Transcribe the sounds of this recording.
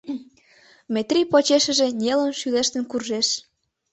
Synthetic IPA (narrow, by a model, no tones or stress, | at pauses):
met̪rʲipot͡ɕeʃə̆ʒĕnʲelənʃyleʃt̪ə̆nkurʒeʃ